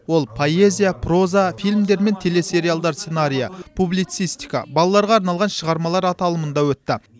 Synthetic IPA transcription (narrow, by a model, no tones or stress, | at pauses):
wo̞lˠpʰo̞e̞zʲijapʰro̞zafijlʲmd̪e̞ɾme̞nt̪ʰe̞le̞se̞ɾialˠd̪ɑɾsenaɾʲijəpʰublˠijt̪sijst̪ijkɑ̰bɑlˠɑlˠɑɾʁɑːɾnɑlˠʁɑnʃəʁɑɾmɑlˠɑɾɑt̪ɑlˠəmənd̪ɑwɵt̪ːɪ